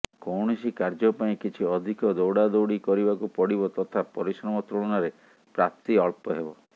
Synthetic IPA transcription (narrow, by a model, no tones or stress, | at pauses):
kɔwɳɔsikaɾd͡ʒɔpaĩkit͡ʃʰiɔd̪ʱikɔd̪ɔwɽad̪owɽikɔɾibakupɔɽibɔt̪ɔt̪ʰapɔɾisɾɔmɔt̪ɾuɭ̃ɔnaɾe | pɾap̚t̪iɔɭpɔɦebɔ